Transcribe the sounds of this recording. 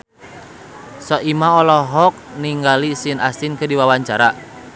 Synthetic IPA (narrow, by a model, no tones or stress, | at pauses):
sɔʔimaɔlɔɦɔk̚niŋɡalisinasinkədiwawaɲt͡ʃaɾa